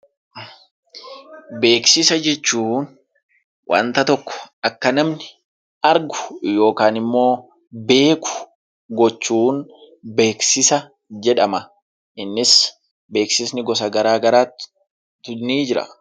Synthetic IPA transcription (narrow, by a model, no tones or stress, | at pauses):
be̞ːksɪsɐd͡ʒɛt͡ʃːuːn | wʔɐ̰nt̪ɐt̪ɔkːɔ̥ʔɐkːɐnɐmnɪ | ʔɐɾɡʊ̥jo̞ːkaːnɪmːo̞ː | be̞ːkʊ̥ | ɡɔt͡ʃːuːn | be̞ːksɪsɐ | d͡ʒɛᶑɐmɐ | ʔɪnːɪs | be̞ːksɪsnɪɡɔs̬ɐɡɐɾaːɡɐɾaːt̪ː | t̪ːʊniːd͡ʒɪɾɐ̰